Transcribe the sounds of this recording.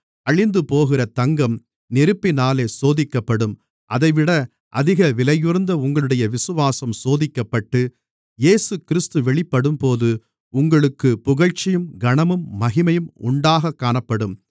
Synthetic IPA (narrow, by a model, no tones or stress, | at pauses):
ɐɭɪnd̪ɯpoːɣɪrɐt̪ɐŋɡɐm | nɪɾɯpːɪnaːleːsoːðɪkːɐpːɐɽɯm | ʔɐðɐɪʋɪɽɐ | ʔɐðɪɣɐʋɪlɐjɯɾnd̪ɐʊŋɡɐɭɯɽɐjɐʋɪsɯʋaːsɐmsoːðɪkːɐpːɐʈːɯ | jeːsɯkɪɾɪst̪ɯʋɛɭɪpːɐɽɯmpoːðɯ | ʊŋɡɐɭɯkːɯpʊɣɐɻt͡ʃːɪjɯmɡɐɳɐmɯmːɐɣɪmɐjɯmʊ̰ɳɖaːɣɐkːaːɳɐpːɐɽɯm